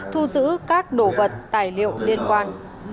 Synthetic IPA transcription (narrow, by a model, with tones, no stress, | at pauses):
t̪ʰu˧zɨ̰˧˥kaː˦˥k̚ɗo˧˩və˨˩t̚t̪aː˨˩jlḭ˧˨ə˨wli˧ənkwaː˧n